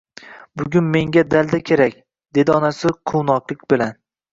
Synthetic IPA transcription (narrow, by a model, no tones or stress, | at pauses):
bʊɡʲʊnme̞ŋɡʲad̪alˠd̪akʲʰe̞ɾakʲ | d̪̥e̞d̪ɪɒnasɪqʰownɒqlˠɪk̚ʲbɪlan